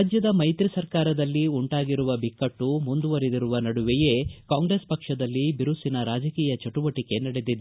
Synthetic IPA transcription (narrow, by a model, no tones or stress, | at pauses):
d͡ʒjɐd̪ɐmɐjt̪ɾisɐɾkaːɾɐd̪ɐlːiuɳʈaːɡiɾuʋɐbikːɐʈːumund̪uʋɐɾed̪iɾuʋɐnɐɽuʋɛje̞ːkaːŋɡɾespɐkʂɐd̪ɐlːibiɾusinɐɾaːd͡ʒɐkiːjɐt͡ʃɐʈuʋɐʈike̞nɐɽed̪id̪e